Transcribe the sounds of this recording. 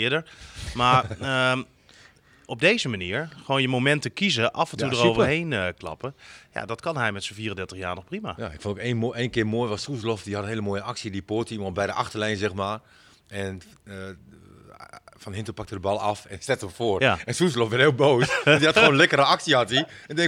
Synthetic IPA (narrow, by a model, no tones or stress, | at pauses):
ɪədəɹmaə | ɔb̚deːzəmaniːəɹxʋoːnjəmomɛntəkizəʔɑfənjtudəroːəɹɦeːnəklɑ̰pəja̰dɔtkɔnɦɛjmɛtsəfiːərəndɛtəxjaːɹnɔxprima̰jaɪkfondɪkeʔeːnkɪəmoːjʋɔssuslɔfdihɑtənɦeːləmoːjəʔaksjiədipoːtimɔbɛjdəʔaxtərlɛjnzɛxmaː | ɛn | fɔnhɪntəpak̚tədəbɑlˠɑfɛnstɛtəməfoərjaɛnsuslɔfʋɛtɪːlˠboːsdihatxoːnlɛkəɾəɑksiatiɛndɛŋ